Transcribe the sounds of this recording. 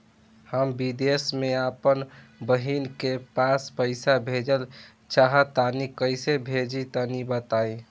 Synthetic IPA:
həmbid̪esmeapənbəɦinkepãspəɪsabʱed͡ʒəl | t͡ʃaɦət̪anikəɪsebʱed͡ʒit̪anibət̪ai

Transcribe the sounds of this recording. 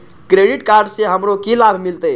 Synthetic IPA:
kɾeɖiʈkaɾɖseɦəmɾokilabʱmilt̪əj

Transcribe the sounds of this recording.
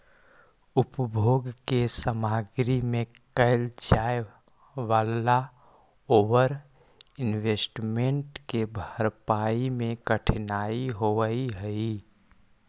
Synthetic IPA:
upbʱoɡkesəmaɡɾimẽ | kəɪld͡ʒae | ʋaːla | oʋəɾ | ɪnwesʈmeɳʈkebʱəɾpaimẽkəʈʰnaiɦoʋəiɦəi

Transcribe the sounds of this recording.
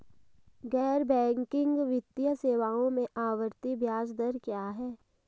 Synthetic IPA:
ɡɛːɾbɛ̃ːŋkɪ̃ŋɡʋɪt̪ijəseːʋaːõmẽʔaːʋəɾt̪ibʱjaːd͡ʒd̪əɾkjaːɦɛː

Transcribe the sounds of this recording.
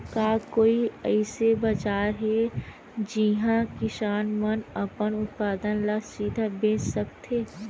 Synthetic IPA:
kaːkoːiɛɪsebɐd͡ʒaːɾɦɛ | d͡ʒiɦãkɪʃaːnmənəpənʊt̪̚paːd̪ənlasiːd̪ʱabẽːt͡ʃsəkt̪eː

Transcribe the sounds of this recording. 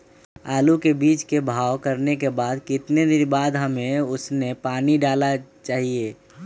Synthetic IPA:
aːlukebiːt͡ʃkebʱaːwkəɾnekebaːd̪kɪt̪ned̪ɪnbaːd̪ɦəmẽʊsnepaːniɖaːlat͡ʃaːɦieː

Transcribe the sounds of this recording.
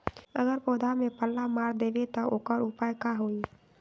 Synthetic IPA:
əɡəɾpoːd̪ʱamẽpəlːamaːɾd̪eːʋet̪ɐʔokəɾupaːjkaɦoːi

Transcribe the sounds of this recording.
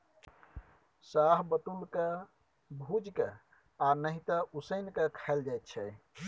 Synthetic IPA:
saɦbət̪ulke | bʱud͡ʒke | anəɦit̪əʔusəjnkekʰaɪld͡ʒajt̪̚t͡ʃʰɛ

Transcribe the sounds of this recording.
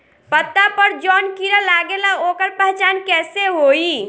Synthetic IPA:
pət̪ːapəɾd͡ʒɔnkiɾəlaɡelaokəɾpəɦt͡ʃankɛseɦoi

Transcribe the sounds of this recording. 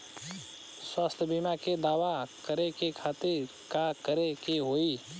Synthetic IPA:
swaːst̪ʰbimaked̪aːʋakəɾekekʰaːt̪ɪɾ | kakəɾekeɦoːiː

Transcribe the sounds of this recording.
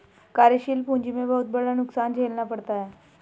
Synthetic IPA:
kaɾeɕiːlpuɲd͡ʑimebəɦut̪̚bəɽlanuksand͡ʑʱelnapəɽt̪aj

